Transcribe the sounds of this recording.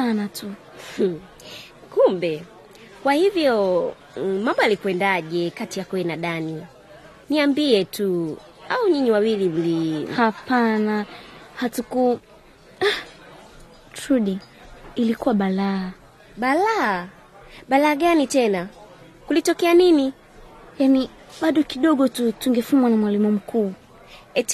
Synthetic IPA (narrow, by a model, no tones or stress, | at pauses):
sanatʰu | kumbɛ | kwahivjɔ | mambɔjalikwɛndaʄɛkatijakuɛnaɗani | niambiɛtu | auɲiɲiwawilim̩lihapanahatuku | tɾuɗiː | likuwaɓalaː | ɓalaː | ɓalaːɠanitɛna | kulitɔkɛanini | jani | ɓaɗɔkiɗɔɠɔtutuŋɡɛfumwanamwalimum̩kʰuː | ɛ